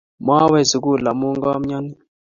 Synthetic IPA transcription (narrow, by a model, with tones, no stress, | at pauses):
ma˦wɛ˦˨zi˨ku˦˨la˨mu˦ŋɡa˦a˦m̩˦ɲa˦ni˦